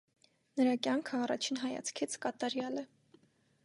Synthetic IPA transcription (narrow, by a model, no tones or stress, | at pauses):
nəɾɑkjɑŋkʰəɑrɑ̰t͡ʃʰinɦɑjɑ̰t͡sʰkʰit͡sʰkɑt̪ɑɾjɑlɛ